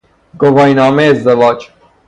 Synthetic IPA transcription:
ɡovɒːjnɒːmeːzd̪evɒːd͡ʒ

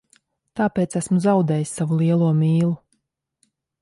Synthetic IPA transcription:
t̪aːpeːt̪sæsmuzawd̪ɛːjisːavulˠiɛlˠuɔmʲiːlˠu

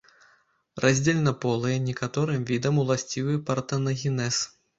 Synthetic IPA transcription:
rʔazʲd͡zʲelʲnɐpɔlˠɨjɛnʲɛkat̪ɔɾɨmvʲid̪ɐmulˠasʲt͡sʲivɨpɐrt̪ɐnɐɣʲinɛs

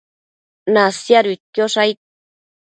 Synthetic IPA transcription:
nasjaɾit̪̚kjoʂajt̪̚

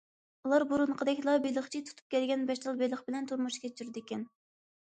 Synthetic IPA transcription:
ulˠɑɾbuɾuɴqʰəd̪ɛkʲlˠɑbelˠəχt͡ʃʰit̪ʰu̥t̪ʰu̥p̚kʲʰɛlɡʲɛnbɛʃt̪ɑlˠbelˠəχbɪlɛnt̪ʰuɾmuʃkʲɛt͡ʃʰyɾd̪ɪkʲɛn

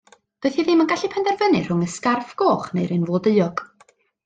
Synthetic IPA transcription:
d̥oːɨθiðɪmənɡaɬipʰɛndɛrvənɨr̥ʊŋəskarfɡ̥oːχnejɾɨnvoːdəɨɔɡ̥

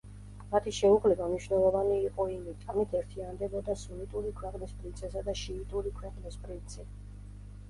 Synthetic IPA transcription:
mat̪ʰiʃɛuʁlɛbamniʃwvnɛlˠɔvaniːqʼɔimit̪ʼamit̪ʰɛɾt̪ʰiand̪ɛbɔd̪asunit̪ʼuɾikʰwɛqʼnispʼɾint̪sʰɛsad̪aʃiːt̪ʼuɾikʰwɛqʼnispʼɾint̪sʰi

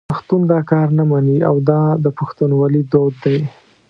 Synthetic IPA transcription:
axt̪und̪ɑkɑɾnamaniawd̪ɑd̪əpaxt̪unwɑlid̪od̪ːaj

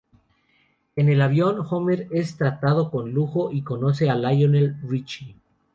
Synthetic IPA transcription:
e̞ne̞laβjo̞nxomeɾe̞st̪ɾat̪að̞o̞ko̞nluxoʔiko̞no̞se̞alajonelrit͡ʃi

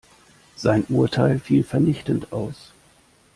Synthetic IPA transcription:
z̥aɪnʔuːɐtʰaɪlfiːlfɛɐnɪçtən̩tʔaʊs

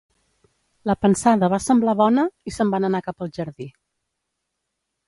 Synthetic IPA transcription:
ləpənsaðəβasəmblaβɔnəisəmbanənakapəlˠʒəɾði

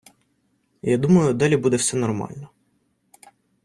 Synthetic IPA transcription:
jad̪umɐjʊd̪ɑlʲibud̪ɛwsɛnɔrmɑ̰lʲnɔ

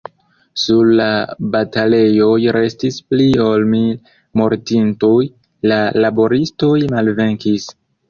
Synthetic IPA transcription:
suɾlabatale̞jo̞jɾe̞stisplio̞lmi | mo̞ɾtintuj | lalabo̞ɾisto̞jmalve̞ŋkis

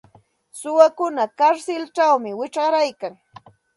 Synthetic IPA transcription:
sʊwakʊnakaɾsɪlt͡ʃawmɪwɪt͡ʃɢɑɾajkaŋ

